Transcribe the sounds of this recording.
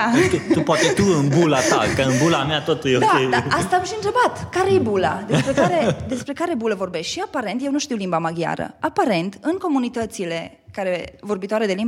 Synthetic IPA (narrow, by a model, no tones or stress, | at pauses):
et̪upoat̪et̪uɨnbulat̪a̰kəɨnbulameat̪ot̪ujed̪aiaast̪aːmʃiɨnt̪ɾe̞bat̪kaɾejebulad̪esspɾe̞kaɾe̞d̪e̞spɾe̞kaɾe̞buləvo̞rbe̞ʃt̪ʃiapaɾent̪je̞wnuʃt̪iwlimbamaɡja̰ɾə̰apaɾe̞nt̪ɨŋko̞munit̪ət̪sile̞ | kaɾe̞vo̞rbit̪oaɾe̞d̪e̞lim